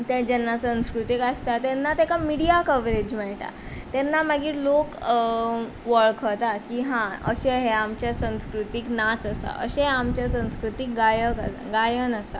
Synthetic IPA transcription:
t̪ɛ̃d͡ʑɛnːasə̃w̃skɾut̪ikast̪at̪ɛnːat̪ɛkamiɽijakəʋɾed͡ʑmɛɭʈa̰t̪ɛnːamaɡiːɾlok | ʋəɭkʰət̪akiɦãə̰ɕeɦeamt͡ɕjasə̃w̃skɾut̪iknat͡səsa̰ʔə̰ɕeɦamt͡ɕjasə̃w̃skɾut̪ik̚ɡajəka | ɡajənasa

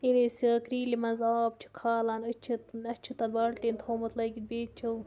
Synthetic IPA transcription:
inisikɾiːlimɐnzaːb̚t͡ʃʰi̥kʰaːlaːnɐt͡ʃʰit̪nɐt͡ʃʰit̪ɐnbɐɽʈint̪ʰoːmɐt̪lɐɡʲit̪̚beːt͡ʃt͡ʃʰɐw

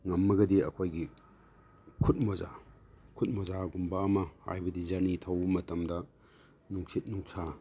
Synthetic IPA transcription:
ŋɐmːɐɡɐdiɐkʰojɡi | kʰut̚moza | kʰut̚mozaɡumbaːmɐha̰jbɐdizanitʰɐwmɐtɐmdɐ | nuŋsit̚nuŋsʰa

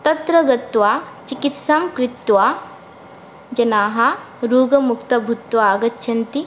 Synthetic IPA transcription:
t̪ɐt̪ɾɐɡɐt̪ʋaːt͡ʃikit̪saːmkɾɪt̪ːʋaː | d͡ʒɐnaːɦɐ | ɾuːɡɐmukt̪ɐbʱut̪waːɡɐt̪ːʃʰɐnt̪i

